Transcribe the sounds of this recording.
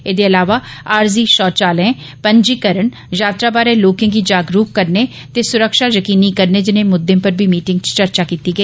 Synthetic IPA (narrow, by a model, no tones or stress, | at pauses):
eːd̪eːəlaːʋaːaːɾziːʃɔːt͡ʃaːlẽː | pəɲd͡ʒiːkəɾəɳ | jaːt̪ɾaːbaːɾẽːloːkẽːɡiːd͡ʒaːɡɾuːkːəɾneː | t̪eːsʊɾəkʃaːjəkiːniːkəɾneːd͡ʒɪnẽːmʊd̪ẽːpəɾbʱiːmiːʈɪ̃ŋɡt͡ʃt͡ʃəɾt͡ʃaːkiːt̪iːɡəiː